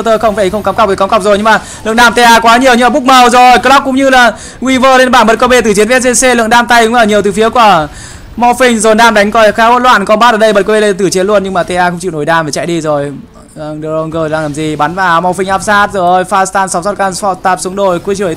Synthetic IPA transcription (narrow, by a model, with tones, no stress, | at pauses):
t̪əː˧xə˧wŋ͡mfaː˧˩˨xə˧ŋ͡mkaː˨˦ŋ͡mka˨˩k͡p̪̚ːkaː˨˦ŋ͡mka˨˩k͡p̚zo˨˩jɲɨ˧ŋmaː˨˩ | lɨ̰˧˨əŋɗaː˧mt̪e˧ʔaː˧kwaː˨˦ɲi˨˩əwɲɨ˧laː˨˩ɓʊ˦˥k͡p̚mə˨˩wzo˨˩jkəː˧˦la˦˥k̚ʊ̰˧˥ŋ͡mɲɨ˧laː˨˩ | kwi˧vəː˧le˧nɓaː˧˩nɓə˨˩t̚ko˧˩ɓe˧t̪ɨ˨˩t͡ɕi˨˦ənvs̚e˧se˧lɨ̰˧əŋɗaː˧mt̪a˧jkʊ̰˧˥ŋ͡mləː˧˩ɲi˨˩əwt̪ɨ˨˩fi˨˦əku˧˩ə | mɔ˧fï˧ŋ̟zo˨˩nɗaː˧mɗa˨˦ŋkɔ˧˩˨xaː˨˦ho̰˧˥nlwa̰ː˧˨nkɔ˨˦ɓaː˦˥ʔəː˧˩ɗə˧jɓə˨˦t̚ko˧ɓe˧la˧˨˩t̪ɨ˧˩t͡ɕi˨˦ənlu˧ənɲɨ˧ŋmaː˨˩t̪e˧ʔaː˧xə˧wŋ͡mt͡ɕḭ˧˨wno˧˩jɗaː˧mva˨˩t͡ɕa̰˧˨jɗi˧zo˨˩j | ɗə˧˩o˧ŋɣəː˧˩laː˧˩ŋlaː˨˩mzi˨˩ɓa˨˦nvaː˨˩ma˧fi˧ŋ̟ʔaː˦˥p̚saː˦˥t̚zo˨˩˨jfaː˧st̪aː˧nsa˨˦wzɔ˦˥t̚kaː˧nfɔ˧˩t̪aː˧˩p̚su˨˦əŋɗo˨˩jku˧˦t͡ɕɨ˧˩˨